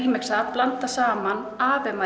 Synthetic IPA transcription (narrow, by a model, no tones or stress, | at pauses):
iːmɛksaplant̪asaːman | aːvɛma